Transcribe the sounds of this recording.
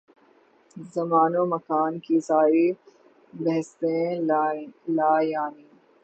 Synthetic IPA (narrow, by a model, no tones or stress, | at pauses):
zɐmaːnomɐkaːnkisaːɾi | bɐɦst̪ẽ | laːjaːniː